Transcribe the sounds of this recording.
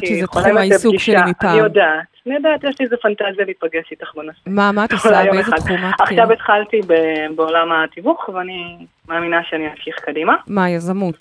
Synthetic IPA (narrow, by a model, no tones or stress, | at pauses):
kiʃezetoemajisuɡiɡʃeamipaːiodat̪anijod̪at̪jɛʃliezefantazijaliit̚paɡeʃlit̪aχbanasemamat̪asaezeχumaaχʃavet̪χalt̪ibebeolamat̪ivuχveani | maːminaʃeanimafʃiχkadimamajazamut